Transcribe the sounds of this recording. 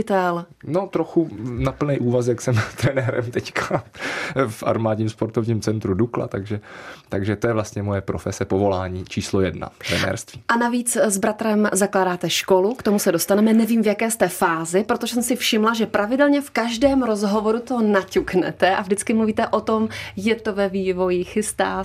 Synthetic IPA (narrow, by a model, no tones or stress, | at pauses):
ɪt̪ɛl | no̞t̪ɾoxunapl̩nɛjʔuːvasjaksɛmt̪ɾɛnɛːɾɛ̰mt̪ɛckʰa | fʔa̰ɾmaːdɲiːmspoɾt̪ovɲiːmt͡sɛnt̪ɾudukla̰t̪aɡʒɛt̪aɡʒɛt̪ojɛvlast̪ɲɛmo̞jɛpɾofɛsɛpovo̞laːɲiːt͡ʃiːslojɛdna̰t̪ɾɛnɛ̰ːɾst̪viːʔanaviːt͡szbɾat̪ɾɛmzaklaːdaːt̪ɛʃko̞lukt̪o̞musɛdo̞st̪anɛmɛnɛviːmvjakɛːst̪ɛfaːzɪpɾot̪oʒɛsɛmsɪfʃɪmlaʒɛpɾavɪdɛlɲɛfkaʒdɛːmɾo̞zɦo̞vo̞ɾut̪o̞nacuknɛ̰t̪ɛʔavdɪt͡skɪmluviːt̪ɛʔo̞t̪o̞mjɛt̪o̞vɛviːvo̞jɪxɪst̪aː